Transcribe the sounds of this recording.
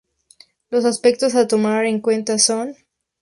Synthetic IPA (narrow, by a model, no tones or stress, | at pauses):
lo̞s̬aspe̞k̚t̪o̞sat̪o̞maɾeŋkwe̞nt̪aso̞n